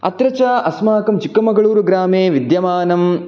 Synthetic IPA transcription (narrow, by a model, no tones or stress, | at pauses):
ɐ̰t̪ɾɐt͡ʃaːʔɐsmaːkɐmt͡ʃikːɐmɐɡɐɭuːɾuɡɾaːmeːʋid̪jɐmaːnɐm